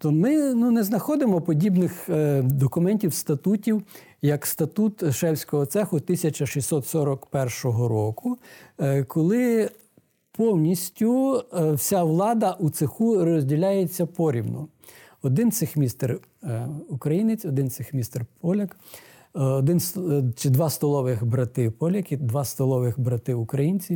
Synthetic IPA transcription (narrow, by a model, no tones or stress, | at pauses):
t̪ɔmɪnunɛznɐxɔd̪ɪmɔpɔdʲibnɪxd̪ɔkʊmɛnʲtʲiwst̪ɐt̪utʲiw | jɐkst̪ɐt̪ut̪ʃɛwsʲkɔɦɔt̪sɛxʊt̪ɪsʲɐt͡ʃɐʃisʲsʲɔt̪sɔɾɔkpɛrʃɔɦɔɾɔkʊ | kʰɔlˠɪ | pʰɔwnʲisʲtʲʊwsʲaʋlˠɑd̪ɐʔut̪sexuɾɔzʲdʲilʲajet͡sʲːɐpɔɾʲibnɔ̰ | ɔd̪ɪnt̪sɪxmʲist̪ɛr | ukɾɐjinɪt͡sʲɔd̪ɪnt̪sɪxmʲist̪ɛrpɔlʲɐk | ɔd̪ɪnst͡ʃɪd̪ʋɑst̪ɔlˠɔʋɪxbɾɐt̪ɪpɔlʲɐkid̪ʋɑst̪ɔlˠɔʋɪxbɾɐt̪ɪukɾɐjinʲt͡sʲi